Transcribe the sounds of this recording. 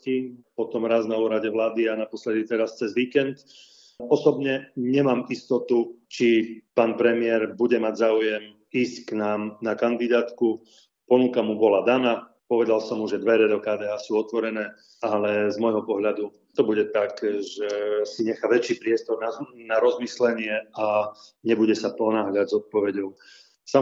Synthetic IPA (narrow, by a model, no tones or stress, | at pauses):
cipɔt̪ɔmɾaːznauːɾaɟɛʋlaːd̪ianapɔslɛd̪it̪ɛɾast͡sɛzʋiːkɛnt̪ | ɔsɔbɲɛɲɛmaːmist̪ɔt̪ut͡ʃipaːnpɾɛmɪɛɾbuɟɛmaɟzaːujɛm | iːscknaːmnakand̪id̪aːt̪ku | pɔnukamubɔlad̪ana | pɔʋɛd̪alsɔmuʒɛd̪ʋɛɾɛd̪ɔkaːd̪ɛːɦaːsuːɔt̪ʋɔɾɛnɛː | alɛzmɔjɦɔpɔɦʎad̪u | t̪ɔbuɟɛt̪akʒɛsiɲɛxaːʋɛt͡ʃiːpɾɪɛst̪ɔɾnanaɾɔzmislɛɲɪɛaɲɛbuɟɛsapɔnaːɦʎaɟzɔt̪̚pɔʋɛɟɔʊ | sa